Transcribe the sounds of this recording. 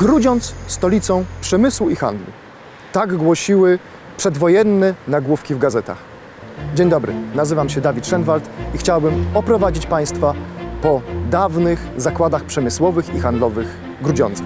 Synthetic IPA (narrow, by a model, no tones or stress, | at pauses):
ɡɾud͡ʑɔnt̪sst̪ɔlʲit̪sɔ̃w̃pʂɛmɘswuixa̰nd̪lṵ | t̪aɡɡwɔɕiwɘ | pʂɛd̪vɔjɛnːɛnaɡwufkʲivɡazɛt̪a̰x | d͡ʑeɲd̪ɔbɾɘ̰nazɘvamɕɛd̪avʲit̪ʂɛnvalt̪ixt͡ɕawbɘmɔpɾɔvad͡ʑit͡ɕpaj̃st̪fapɔd̪avnɘxzakwad̪axpʂɛmɘswɔvɘxixand̪lɔvɘx | ɡɾud͡ʑɔ̰nt̪s